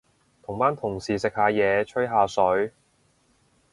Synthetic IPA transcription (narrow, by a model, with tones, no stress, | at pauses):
t̪ʰʊ˨˩ŋpaː˥nt̪ʰʊ˨˩ŋsiː˨˩sɪ˨k̚haː˨˧jɛː˨˧t͡ʃʰɵ˥jɦaː˨˧sɵ˨˥ɥ